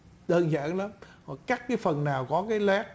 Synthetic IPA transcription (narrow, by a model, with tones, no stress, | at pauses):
ɗəː˧nza̰ː˧˥˨nla˨˦mkɔ˨˩kaː˦˥k̚kaː˨˦jfə˨˩nːaː˨˩wkɔ˨˦kaː˨˦jla˦˥k̚